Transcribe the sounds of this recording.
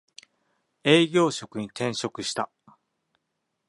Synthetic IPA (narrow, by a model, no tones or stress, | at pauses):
e̞ːɡʲo̞ːɕo̞kɯ̟ɲ̟it̪ẽ̞ɰ̃ɕo̞kɯ̟ɕi̥t̪a